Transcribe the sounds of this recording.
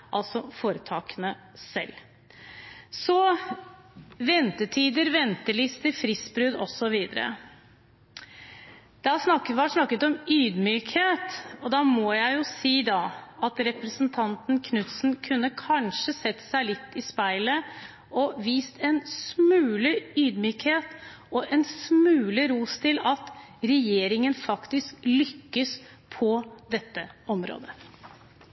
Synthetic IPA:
ʔɑlsɔfoːɾət̪ʰɑːkənəsɛ̰l | sɔ | ʋɛnt̪əʈʰiːd̪əɾʋɛnt̪əlɪst̪ʰɪfɾɪsbɾʉd̪ɔsːɔʋiːd̪əɾə̰ | d̪̥æsnɑkʋɑʂnɑkːət̪ɔmyːd̪myːkheːt̪ɔd̪ɑmɔjæɪjʊsiːd̪ɑɑt̪ɾɛpɾəsənt̪ʰɑnt̪nkʰnʉt̪sn̩kʰʉnːəkʰɑnʂəsɛt̪ːsæɪlɪt̪ːɪspæɪlə | ɔʋiːst̪ɛnsmʉːlɪyːd̪myːkheːt̪ | ɔʔɛnsmʉːlɪɾuːst̪ʰɪlɑt̪ | ɾɛjeːɾɪŋənfɑkt̪ɪsklʏkːəs | pʰɔd̪ɛt̪ːəɔmɾo̰ːd̪ə

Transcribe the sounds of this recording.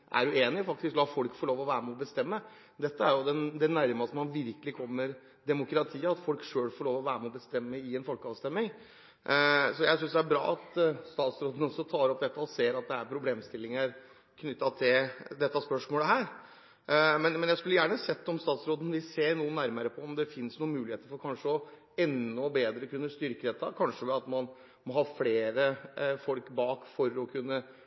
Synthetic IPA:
ʔæ̰ɾʉeːnɪɔfɑk̚t̪ɪsklɑːfɔlkfɔɭoːʋɔʋæːɾmɛɔbəst̪ɛmːə | d̪ɛt̪ːəæɾjʊd̪ɛnd̪ɛnæɾmɑsɔmɑnʋɪɾkəlɪkʰɔmːəɾ | d̪ɛmʊkɾɑt̪ʰiːəɑt̪fɔlkʂøːɽfɔɭoːʋɔʋæːɾəmɛɔbəst̪ɛmːəɪɛnfɔlkɑːʋst̪ɛmːɪŋ | sɔjæɪsʏnsd̪ɛæɾbɾɑ̰ːɑt̪st̪ɑːt̪sɾoːd̪ənəɔsɔt̪ʰɑːɾɔpd̪ɛt̪ːɑɔseːɾɑt̪̚d̪ɛæɾpʰɾʊbleːmst̪ɪlːɪŋəɾ | kʰnʏt̪ːɑt̪ʰɪld̪ɛt̪ːɑspœʂmoːləɦæːɾ | mɛnmɛnjæɪskʉlːəjæːɳəsɛt̪ːɔmst̪ɑːt̪sɾoːd̪ənʋɪseːɾnuːənæɾməɾəpʰɔɔmd̪ɛfɪnsnuːəmʉːlɪheːt̪əɾfɔɾkʰɑnʂəɔ | ɛnːɔbeːd̪ɾəkʰʉnːəst̪ʏɾkəd̪ɛt̪ʰːɑkʰɑnʂəʋɛlɑt̪mɑn | mɔɦɑːfleːɾəfɔlkbɑːkfɔɾɔkʰʉnːə

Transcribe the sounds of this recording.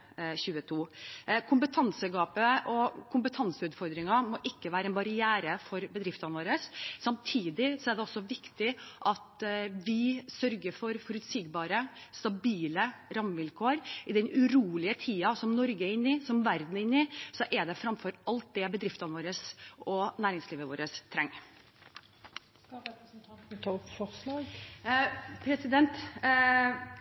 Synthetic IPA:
ɕʉːət̪ʰuːkʰʊmpət̪ʰɑnsəɡɑːpəʔɔkʰʊmpət̪ʰɑnsəʉːt̪fɔɾd̪ɾɪŋɑmɔʔɪkːəʋæːɾəɛnbɑɾɪjæːɾəfɔɾbəd̪ɾɪft̪ɑnʋoːɾəsːɑmt̪ʰiːd̪ɪsɔæɖɛɔsːɔʋɪkt̪ɪʔɑt̪ʋɪsœɾɡəɾfɔɾfɔɾʉt̪siːɡbɑːɾəst̪ɑbiːləɾɑmʋɪlkʰoːɾɪd̪ɛnʉɾuːlɪət̪ʰiːɑsɔmnɔɾɡəɛɾɪnːɪsɔmʋæɾd̪n̩ɪnːɪsɔʔɛɖ̪ɛfɾɑmfɔɾʔɑlt̪̚d̪ɛbəd̪ɾɪft̪ɑnəʋoːɾəsʔɔnæːɾɪŋsliːʋəʋoːɾəst̪ʰɾɛŋː | p̪ʰt̪ʰːpfɔslɑːɡ | pʰɾɛsɪd̪ɛnt̪

